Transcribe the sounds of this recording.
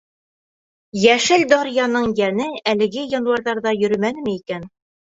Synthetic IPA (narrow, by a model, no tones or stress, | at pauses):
jæʃɘld̪ɒɾjɑnɤɴjænɘælɘ̆ɡɘjɒnvɑɾðɑɾðɑjɵ̆ɾ̆mænɘ̆mɘikæn